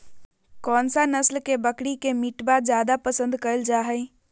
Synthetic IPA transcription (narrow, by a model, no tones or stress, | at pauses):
kɔːnsanɐslkebəkɽikemiʈbazjaːd̪apɐsə̃nd̪kɐɾəld͡ʒaːɦɛ